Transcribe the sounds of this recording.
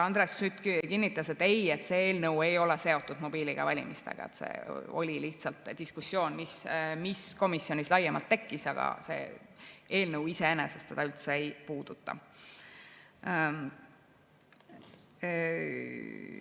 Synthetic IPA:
ɑnd̪ɾesyt̪kkinːit̪ːˑɑse̞t̪ːeje̞t̪ːse̞ːeːlnɤwe̞jo̞lɛse̞o̞t̪ˑːud̪̥mo̞b̥iːliɡ̥ɑ̰vɑlʲḭmist̪ḛɡ̥ɑ̰ḛt̪sḛo̰lʲiliht̪sɑlt̪ˑd̪̥iskusːjo̞ːnmismisko̞misːjo̞nʲislɑjemɑlt̪ːe̞kˑːisɑɡ̥ɑ̰se̞̰ːeːlnɤuwiseenesest̪se̞d̪ɑylt̪seejpuːd̪̥ut̪ːɑ̰

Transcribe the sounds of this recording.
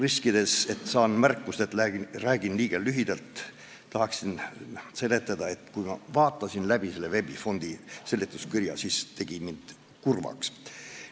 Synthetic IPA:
riskid̪̥ese̞t̪ːˑsɑːnmærkːust̪e̞t̪ːæiræːɡ̥inliːɡ̥ɑlyɦid̪̥ɑlt̪ː | ɑhɑksinse̞lːe̞t̪ːˑɑd̪̥ɑe̞t̪kujmɑ̰vɑːt̪ːˑɑsinlæb̥ise̞lːe̞ve̞b̥ifo̞nd̪̥ise̞lːit̪ːˑuskirjɑ̰sist̪e̞ɡ̥imind̪̥ | kurvɑ̰ks

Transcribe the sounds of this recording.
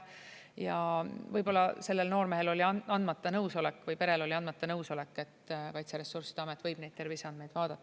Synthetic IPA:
jɑvɤjbo̞lːɑse̞lːe̞lno̞ːrme̞ɦe̞lo̞lʲiɑɑnd̪mɑt̪ːˑɑnɤwso̞lekːvɯjpe̞ɾe̞lo̞lʲiɑnd̪mɑt̪ːˑɑnɤwso̞le̞kːˑe̞t̪ːkɑjt̪seɾe̞sːursid̥̪eɑmet̪ːˑvɤjb̥ne̞jt̪t̪erviseɑnd̪mejd̪̥vɑːd̪̥ɑt̪ːɑ

